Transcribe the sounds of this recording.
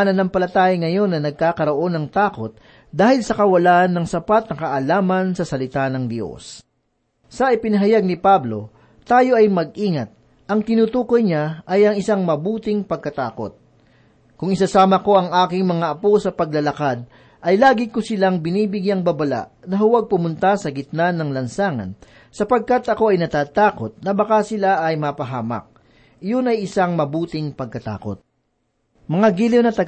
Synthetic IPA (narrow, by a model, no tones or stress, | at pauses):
nɐnɐŋpɐlɐt̪aːjɪŋɐjo̞nːɐnɐɡ̚kaːkɐɾo̞ʔo̞nːɐŋt̪aːko̞t̪̚ | d̪aːhɪlsɐkɐwɐlaʔɐnːɐŋsɐpat̪̚nɐkɐʔɐlaːmɐnsɐsɐlɪt̪anɐŋd̪jo̰s | sɐʔɪpɪnɐɦɐjaɡ̚nɪpablo̞̰ | t̪aːjo̞ʔɐjmɐɡ̚ʔiːŋɐt̪̚ | ʔɐŋt̪ɪnuːt̪uːkojɲaʔɐjʔɐŋɪsaŋmɐbuːt̪ɪŋpɐɡ̚kɐt̪aːko̞̰t̪̚ | kʊŋɪsasaːmɐko̞ʔɐŋaːkɪŋmɐŋaʔɐposɐpɐɡ̚lɐlɐkad̪̚ | ʔɐjlaːɡɪkosɪlaŋbɪniːbɪɡjaŋbɐbɐla̰ʔnɐɦʊwaɡ̚pʊmʊnt̪asɐɡɪt̪̚nanːɐŋlɐnsaːŋɐ̰n | sɐpɐɡ̚kat̪ʔɐko̞ʔɐjnɐt̪aːt̪aːko̞t̪̚nɐbɐkasɪlaʔɐjmapɐɦaːmɐ̰k̚ | ɪjʊnɐjʔɪsaŋmɐbuːt̪ɪŋpɐɡ̚kɐt̪a̰ːko̰t̪̚ | mɐŋaɡilɪwnɐt̪ɐ